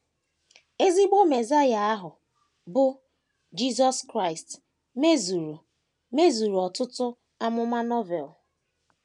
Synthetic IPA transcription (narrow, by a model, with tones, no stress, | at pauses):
e˦zi˦ɡ͡bo˦me˨za˦ja˨a˦ɦʊ˨ | bʊ˦ | d͡ʒi˦zɔ˦skɾa˦ɪ˨st | me˦zu˨ɾu˨ | me˦zu˨ɾu˨ɔ˨tʊ˦tʊ˦ | a˦mʊ˦ma˦nɔ˦vɛ˨l